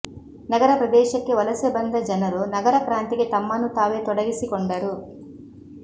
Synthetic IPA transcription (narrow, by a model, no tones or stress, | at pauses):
nɐɡɐɾɐpɾɐd̪ɛːʃɐkːiʋɐlɐsebɐnd̪ʱɐd͡ʒɐnɐlonɐɡɐɾɐkɾaːnt̪ikit̪ɐmːɐnut̪aːʋeːt̪ɔɽɐɡisikɔɳɖaɾu